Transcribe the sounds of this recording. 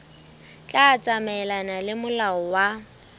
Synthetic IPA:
t͡ɬʼaːt͡sʼamɛlanalɪmʊlaɔwa

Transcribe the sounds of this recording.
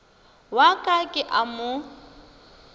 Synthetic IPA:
wakʼakʼɪʔamʊ

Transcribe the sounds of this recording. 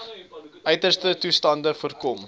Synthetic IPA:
ʔœɥtərstətustɑndəfərkɔm

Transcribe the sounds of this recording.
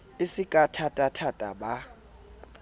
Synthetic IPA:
isikʼatʰatʼatʰatʼa̰ba

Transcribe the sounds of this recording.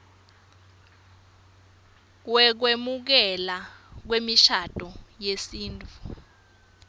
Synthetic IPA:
wɛk̬wemuk̬ɛlak̬wemiʃad̥ʱɔjesiːntʰʼu

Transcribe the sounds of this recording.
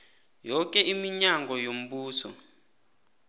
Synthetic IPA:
jɔk̬ʼɛimiɲaŋɡɔjom̩ɓuːsɔ̰

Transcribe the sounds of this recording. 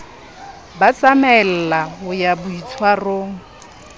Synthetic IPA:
bat͡samɛl̩laɦʊjabʊit͡sʰwaroːŋ̩

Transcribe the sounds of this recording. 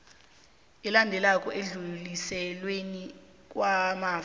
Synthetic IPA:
ɛlandʱɛlakʼɔʔeɮulisɛlweni | k̬ʼwamaː

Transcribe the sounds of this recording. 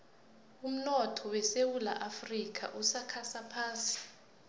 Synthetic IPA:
um̩nɔtʰɔwɛsewula̰ʔafrikʰʼa̰ʔusakʰasapʰaːsi̥

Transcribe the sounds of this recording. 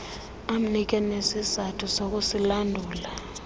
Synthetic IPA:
am̩nik̬ʼɛnesizatʰusok̬ʼusilandʱuːla

